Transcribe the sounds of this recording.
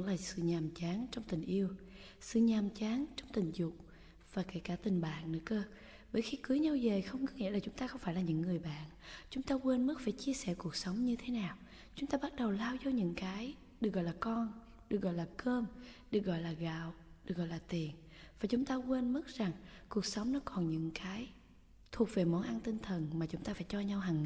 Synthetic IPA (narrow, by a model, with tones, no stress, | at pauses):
ŋlaː˨˩sɨ̰˧˨ɲaː˨˩mt͡ɕaː˨˦ŋt͡ɕwŋ͡mt̪ï˨˩ŋ̟ʔi˧əw | sɨ̰˧˨ɲaː˨˩mt͡ɕaː˨˦nt͡ɕɔ˧wŋ͡mt̪ï˨˩ŋ̟zʊ˨˩k͡p̚ | v̥aː˨˩ka˨˦jkaː˧˩t̪ï˨˩ŋ̟ɓa̰ː˧˨nnɨ̰˧˥əkəː˧ | ɓəː˧˩˦jxi˧kɨ˨˦jɲə˧wze˨˩xə˧wŋ͡mŋɨ˦˥ŋḭ˧˥laː˨˩t͡ɕʊ˨˦ŋ͡mt̪aː˧xə˧wŋ͡mfaː˧˥jlaː˨˩ɲɨ̰˧˥ŋːɨ˨˩əjɓa̰ː˧˨n | t͡ɕʊ˨˦ŋ͡mt̪aː˧kwe˧nmɨ˦˥t̚faː˧˩jt͡ɕi˧əsɛ˧˩ku˨˩ək̚sə˨˦wŋ͡mɲɨ˧t̪ʰe˨˦naː˨˩w | t͡ɕʊ˨˦ŋ͡mt̪aː˧ɓa˦˥t̚ɗə˨˩wlaː˧wzo˧˦ɲɨ̰˧˥ŋkaː˨˦j | ɗɨ˨˩ək̚ɣɔ̰˧˨laː˨˩kɔ˧n | ɗɨ˨˩ək̚ɣɔ̰˧˨jlaː˨˩kəː˧mɗɨ˨˩ək̚ɣɔ̰˧˨jlaː˨˩ɣa̰ː˧˨wɗɨ˨˩k̚ɣɔ̰˧˨jlaː˨˩t̪i˨˩ən | vaː˨˩t͡ɕʊ˨˦ŋ͡mt̪aː˧kwe˧nmɨ˦˥t̚z̥a˨˩ŋku˨˩ək̚sə˨˦wŋ͡mnɔ˨˦kɔ˨˩nɲɨ̰˧˥ŋkaː˨˦j | t̪ʰu˨˩ək̚ve˨˩mɔ˨˦nʔa˧nt̪ï˧ŋ̟t̪ʰə˨˩nmaː˨˩t͡ɕʊ˨˦ŋ͡mt̪aː˧faː˧˩jt͡ɕɔ˧ɲa˧wɦa˨˩ŋ